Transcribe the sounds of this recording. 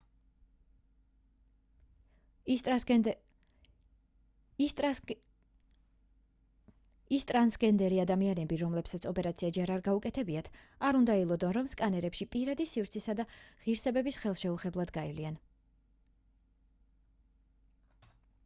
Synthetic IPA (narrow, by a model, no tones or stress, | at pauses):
ist̪ʼɾansɡɛnd̪ɛɾiad̪amianɛbiɾɔmlɛpsat̪sʰɔpʼɛɾat̪sʰiad͡ʒɛɾaɾɡaukʼɛt̪ʰɛbiat̪ʰ | aɾund̪ailˠɔd̪ɔnɾɔmskʼanɛɾɛpʃipʼiɾad̪isivɾt̪sʰisad̪aʁiɾsɛbɛbisχɛlˠʃɛuχɛblˠad̪ɡaivlian